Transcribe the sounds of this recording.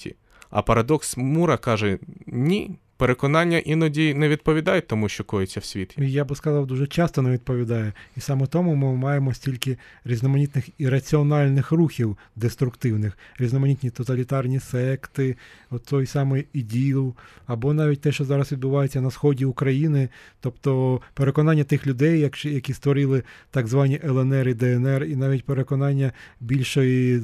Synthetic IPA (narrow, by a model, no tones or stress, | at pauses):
ḭ | ɐ̰pɐɾɐd̪ɔksmuɾɐkɑʒɛnʲi | peɾekɔnɑnʲːɐʔinɔdʲinɛʋʲid̪̚pɔʋʲid̪ɑjɛt̪ːɔmuʃt͡ʃɔkɔjɪt͡sʲːɐwsʲʋʲit̪ʲijabɪskɐzɑwd̪uʒɛt͡ʃɑst̪ɔnɛʋʲid̪̚pɔʋʲid̪ɑjɛisɑmɛt̪ɔmʊmɪmɑjemɔsʲtʲilʲkɪ | ɾʲiznɔmɐnʲit̪nɪxiɾɐt͡sʲiɔnɑlʲnɪxruxʲiw | d̪est̪ɾʊkt̪ɪwnɪxɾʲiznɔmɐnʲit̪ʲnʲit̪ɔt̪ɐlʲit̪ɑrnʲisɛkt̪ɪɔt̪ːɔjsɑmɔjidʲilˠɐbɔnɑʋʲit̚ʲt̪ɛʃt͡ʃɔzɑɾɐsʋʲid̪bʊʋɑjet͡sʲːɐnɐsxɔdʲiʊkɾɐjinɪt̪ɔpt̪ɔpeɾe̞kɔnɑnʲːɐt̪ɪxlʲʊd̪ɛjːɐkjɐkʲist̪ʋɔɾɪlˠɪt̪ɑɡzʋɑnʲiʔɛlˠɛnɛɾɪd̪ɛɛnɛrinɑʋʲitʲpeɾekɔnɑnʲːɐbʲilʲʃɔji